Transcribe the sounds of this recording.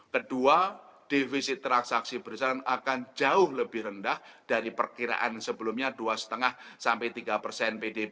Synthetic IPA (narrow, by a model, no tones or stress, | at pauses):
kəduad̥ifisɪt̪ːɾaksaksibəɾsaɾŋakand͡ʒaʊhləbɪhrəndahd̥aɾipərkiɾa̰ʔa̰nsəbəlumɲaduasə̥t̪əŋahsampajt̪iɡapərsɛnpede